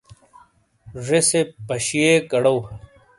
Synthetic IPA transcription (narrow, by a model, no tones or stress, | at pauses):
ʐesepɐɕiekɐɽow